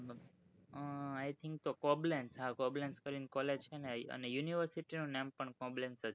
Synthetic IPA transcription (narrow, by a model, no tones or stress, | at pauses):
ajt̪ʰɪ̃ŋk̚t̪okɔblensɦãkɔblẽnskəɾinkɔled͡ʒt͡ʃʰeneə̰nejuniʋəɾsiʈinũnɛ̃mpəɳkɔ̃blẽnsət̪